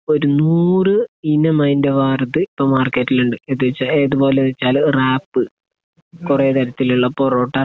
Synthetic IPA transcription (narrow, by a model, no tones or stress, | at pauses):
o̞ɾunuːrɨinːɐmɐjndɐʋaːrɐðɨipːɐmaːrkːɐtːiluɳɖɨeðuʋet͡ɕːaeːðubo̞ːlenːt͡ɕːaːlraːpːɨ | kureːt̪ɐɾɐt̪ːiluɭːɐpːoːro̞ːʈːɐ